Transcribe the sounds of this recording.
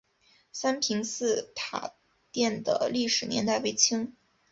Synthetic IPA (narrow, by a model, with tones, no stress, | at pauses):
sa˥npʰi˧˥ŋsɹ̩˥˧t̪ʰa̰˨˩ | t̪jɛ˥˩nd̪ə̰˩li˥˩ʂɻ̩˨˩njɛ̰˧˥nt̪a˥˧ɪwe˧˥˩ɪt͡ɕʰi˥ŋ